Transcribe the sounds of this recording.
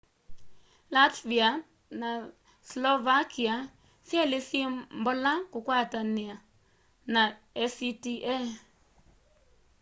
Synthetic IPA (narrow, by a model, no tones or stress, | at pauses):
latvia | na | slɔvakia | sjɛlɪsimbɔlakʊkwatanɪa | na | ɛsitiʔɛ